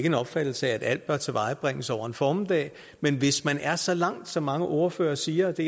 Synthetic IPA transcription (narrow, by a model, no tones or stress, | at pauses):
ɡ̥əe̝nɒ̽b̥fæd̥l̩səæːd̥æl̰d̥̚b̥ɶɐt͡sʰe̝ʋɑ̈ɪb̥ʁɛŋ̰əsɒ̰ʊɐe̝nfɒːmd̥ɛ̰ː | menʋe̝smænæɐsɒ̽lɑ̈ŋ̰d̥sɒ̽mːɑ̈ŋəʔo̝ɐfø̰ːɐsiːɐd̥e̝